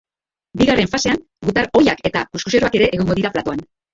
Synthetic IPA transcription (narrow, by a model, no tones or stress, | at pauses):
biɣare̞ɱfase̞aŋ | ɡut̪aro̞jake̞t̪a̰kuskuse̞ɾoake̞ɾeʔeɣ̞oŋɡo̞ð̞iɾaflat̪oan